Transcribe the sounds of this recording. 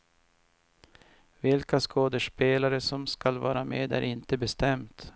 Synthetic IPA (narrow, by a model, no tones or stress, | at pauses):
vɪlkaskʰoːd̪əʂpeːlaɾəsɔmskalvɑːɾamḛːd̪æ̰ɾɪnt̪əbɛst̪ɛmt̪